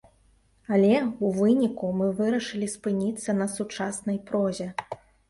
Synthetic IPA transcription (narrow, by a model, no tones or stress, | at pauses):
ɐlʲɛuvɨnʲikumɨvɨɾɐʂɨlʲispɨnʲit̪sːɐnɐsut͡ʂasnɐjpɾɔzʲɛ